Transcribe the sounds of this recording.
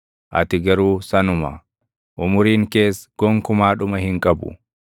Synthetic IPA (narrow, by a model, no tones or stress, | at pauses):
ʔɐ̰t̪ɪɡɐɾuːsɐnʊmɐ̰ | ʔʊmʊɾiːŋke̞ːsɡ̥ɔŋkʊmaːᶑʊmɐhɪŋkʼɐbʊ̰